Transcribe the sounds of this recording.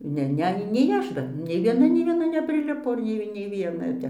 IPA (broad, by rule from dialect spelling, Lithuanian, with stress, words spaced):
ˈnʲɛ ˈnʲɛ nʲɛɪ ˈɐʃ dɐr nʲɛɪ ʋʲiɛˈnɐ nʲɛɪ ʋʲiɛˈnɐ nʲɛpʲrʲɪˈlʲɪpoː ˈnʲɛɪ nʲɛɪ ʋʲiɛˈnɐ jɛʊ ˈtʲɛp